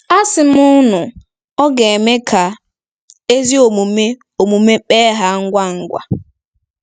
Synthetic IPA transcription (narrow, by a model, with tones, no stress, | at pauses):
a˦sɪ˨m̩˦ʊ˦nʊ˨ | ɔ˦ɡe˨e˨me˦kʰa˨ | e˦zi˦o˨mu˨me˦ | o˨mu˨me˦k͡peː˦ɦa˨ŋ̩˦ɡʷa˦ŋ̩˦ɡʷa̰˨